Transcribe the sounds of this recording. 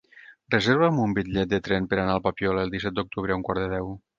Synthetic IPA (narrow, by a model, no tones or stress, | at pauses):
rezeɾβəmumbiʎɛt̪̚d̪ət̪ɾɛnpəɾanaːlˠpapiɔləelˠd̪isɛt̪̚d̪uk̚t̪uβ̞ɾəauŋkwaɾðəðɛw